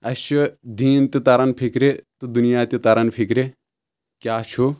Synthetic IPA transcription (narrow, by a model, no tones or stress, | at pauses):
ɐʃud̪iːnt̪it̪ɐɾɐnpʰikɾet̪ud̪unijaːt̪ʲit̪ɐɾɐnpʰikɾe | kjaːt͡ʃʰu